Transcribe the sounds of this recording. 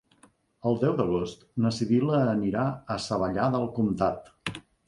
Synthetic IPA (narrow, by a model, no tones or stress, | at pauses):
əlˠd̪ɛwðəɣ̞ost̪nəsiðiləːniɾaəsəβəʎaðəlˠkumt̪at̪